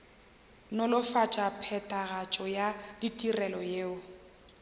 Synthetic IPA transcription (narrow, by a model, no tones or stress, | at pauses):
nʊlʊfat͡ʃʼapʰɛtʼaɣat͡ʃʼɔjaditʼirɛlɔjeːʊ